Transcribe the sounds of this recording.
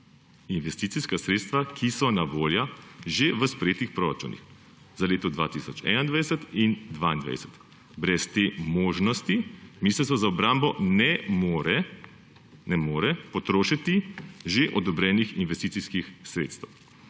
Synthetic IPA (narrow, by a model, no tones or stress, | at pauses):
inʋɛst̪iːt̪siskasɾet̪st̪ʋakʰisɔnaʋoːljaʒeʋəspɾɛjeːt̪ixpɾoɾa̰t͡ʃṵnḭx | zaleːt̪ɔd̪ʋa̰ːt̪isɔt͡ʃɛ̰nand̪ʋaɛsət̪ind̪ʋaind̪ʋa̰jsɛ̥t̪ | bɾɛst̪emoːʒnɔst̪imiːslɛtsɔzaɔbɾaːmbɔnɛmoɾɛ | nɛmoːɾɛpɔt̪ɾoːʃit̪iʒeʔɔd̪ɔbɾɛːnixinʋɛst̪iːtsiskixsɾḛt̪st̪ɛw